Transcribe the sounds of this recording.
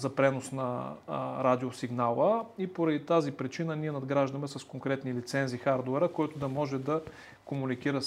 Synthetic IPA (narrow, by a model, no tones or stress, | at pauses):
zɐpɾɛnosnɐ | ɾad̪iosiɡnalˠəipoɾɐd̪it̪azipɾit͡ʃinəniɛnɐd̪ɡɾaʒd̪ɐmɛsɐskoŋkɾɛt̪nilit̪sɛnzixaɾd̪oɛɾəkoɔɛt̪ʊd̪ɐmɔʒɛd̪ɐ | komunikiɾə